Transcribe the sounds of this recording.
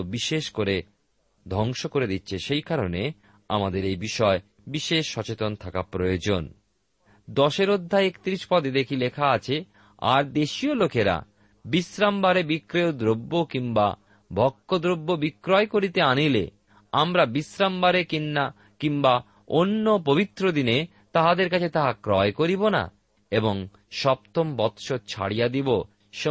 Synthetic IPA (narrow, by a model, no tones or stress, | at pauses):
biʃeʃkoɾe | d̪ʱɔŋʃokoɾed̪it̪ːɕʰeʃejkaɾone | a̰mad̪eɾejbiʃɔe | biʃeʃːɔt͡ɕet̪ont̪ʰakapɾojod͡ʑon | d̪ɔʃeɾod̪ʱːaekt̪ɾiʃpɔd̪ed̪ekʰilekʰaat͡ɕʰe | a̰ɾd̪eʃiolokeɾa̰ | bisɾambaɾebikɾeod̪ɾobːokiŋba̰ | bʱɔkːod̪ɾobːobikːɾɔekoɾit̪eanilḛ | amɾabisɾambaɾekinːa | kiŋba | onːopobit̪ːɾod̪ine | t̪aɦad̪eɾk̬at͡ɕʰet̪aɦakɾɔekoɾibona̰ | eboŋ | ʃɔp̚t̪ombɔt̪ʃot͡ɕʰa̰ɽijad̪ibo | ʃ